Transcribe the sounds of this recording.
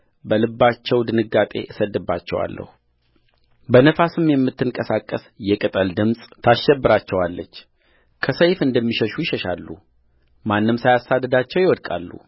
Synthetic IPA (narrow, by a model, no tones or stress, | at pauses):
bəlɨbːat͡ʃːɛwd̪ɨnɨɡːat̪ʼe̞̰ʔɨsəd̪ːɨbːat͡ʃːɛ̰wa̰lːʔə̰hu | bənəfasɨmjɛmːɨt̪ːɨŋkʼəsakʼːəsjɛkʼɨt̪ʼəld̪ɨmsʼt̪ʰaʃːɛbːɨɾat͡ʃːɛwalːət͡ʃː | kʰəsəjfɨnd̪əmːiʃəʃujɪʃəʃalːṵ | manːɨmsajasad̪əd̪at͡ʃːɛwjɪwɔd̪kʼa̰lːṵ